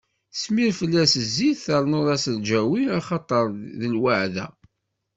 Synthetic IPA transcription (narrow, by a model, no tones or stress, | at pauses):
smiɾfəlːæsəzːiðθəɾˤnoðˤɑsəld͡ʒæwinɑχɑt̪ˤəɾˤðəlwaʕðæ̰